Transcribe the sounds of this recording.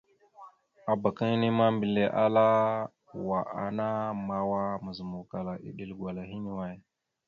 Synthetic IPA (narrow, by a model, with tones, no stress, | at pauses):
a˨ba˨kə˦ŋ˦ni˦ma˦mbi˨le˦ʔa˦la˦ | wa˨ʔa̰˨na˦ma˦wa˦mə˨zə˨mu˨ka˨la˨ʔḭ˨ɗi˨lɡwa˨la˨ɦi˦ni˨wa˦j